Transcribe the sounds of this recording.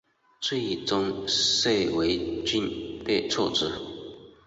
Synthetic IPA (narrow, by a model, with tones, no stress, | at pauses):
t͡swe˥˩i˨˩t͡sʊ˥ŋʂe˥˩ɪwe˧˥ɪt͡ɕi˥npe˥˧ɪt͡sʰɔ˥˧ʈ͡ʂɻ̩˥˩